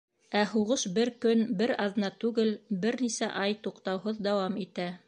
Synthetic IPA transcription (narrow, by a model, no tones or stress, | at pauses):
æɦuʁɤʃbɘɾkɵnbɘɾɑðɤ̆nɑt̪ʉɡɘlbɘɾnisæ̰ʔɑjt̪uqt̪ɑwɦɤðd̪ɑwɑmit̪æ